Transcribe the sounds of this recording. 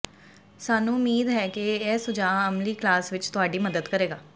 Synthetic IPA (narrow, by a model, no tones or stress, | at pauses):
saːnũːʊmiːd̪ɦɛːkeɛːsʊd͡ʒaːəmliːklaːsʋɪt͡ʃt̪ʊaːɖiːməd̪əd̪kəɾeːɡaː